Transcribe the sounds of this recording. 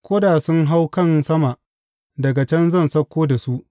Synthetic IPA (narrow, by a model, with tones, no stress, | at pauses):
kʷoː˦daː˨sʊ˦ŋɦa˦wkɐ˦˨nsɐ˦ma˨ʔ | dɐ˨ɡa˨t͡ʃɛ˦nzɐ˦˨nsɐ˦kʷːoː˦da˨su˦ʔ